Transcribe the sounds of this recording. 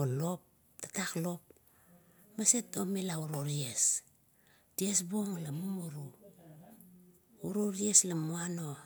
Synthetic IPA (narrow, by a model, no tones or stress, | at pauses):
olo̞p̚ | tḁtaklo̞p̚ | masetomelauɾoɾies | diesboŋlamumuɾu | uɾoɾieslamuano̞